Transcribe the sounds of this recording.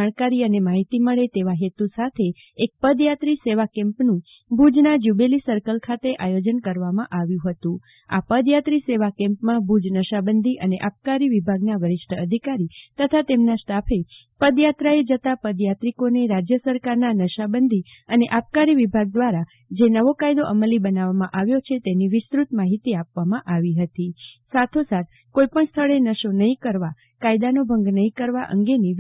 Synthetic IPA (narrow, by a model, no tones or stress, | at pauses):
aɽ̃kaɾiənemaɦit̪iməɭet̪eʋaɦet̪usat̪ʰe | ek̚pəd̪jat̪ɾiseʋakɛ̃mpnũ | bʱud͡ʒnad͡ʒubelisəɾkəlkʰat̪eʔajod͡ʒənkəɾʋamãʔaʋjũɦət̪ũ | a̰pəd̪jat̪ɾiseʋakɛ̃mpmãbʱud͡ʒnəʃabənd̪ʱiʔəneʔap̚kaɾiʋibʱaɡnaʋəɾɪʃʈʰəəd̪ʱikaɾit̪ət̪ʰat̪emnasʈ̪apʰe | pəd̪jat̪ɾaed͡ʒət̪apəd̪jat̪ɾikoneɾad͡ʒjəsəɾkaɾnanəʃabənd̪ʱi | əneʔap̚kaɾiʋibʱaɡ̚d̪ʋaɾa | d͡ʒenəʋokajd̪oʔəməlibənaʋamãʔaʋjot͡ʃʰet̪eniʋɪst̪ɾut̪maɦit̪iapʋamãʔaʋiɦət̪isat̪ʰosat̪ʰ | koipəɳst̪ʰəɭenəʃonəɦĩkəɾʋa | kajd̪anobʱəŋɡnəɦĩkəɾʋaʔə̰ŋɡeni